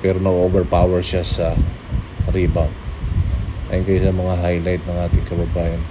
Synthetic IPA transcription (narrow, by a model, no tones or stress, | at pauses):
pɛːɾonɐɡobɛɹpaːwɛɹʃasɐ | ɾibɐw | a̰jnkɐjsɐmɐŋaɦajlajt̪nɐŋʔaːt̪ɪŋkɐbɐbaːjɐn